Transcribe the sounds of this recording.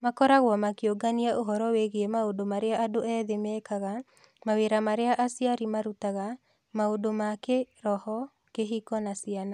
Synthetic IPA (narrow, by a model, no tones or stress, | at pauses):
makɔɾaɣwɔmakioɡaniaʔoɦɔɾɔweɣeemaodomaɾeaʔadoʔɛðemɛkaɣa | maweɾamaɾeaʔasiaɾimaɾutaɣa | maodomakeɾɔhɔ | keɦikɔnasiana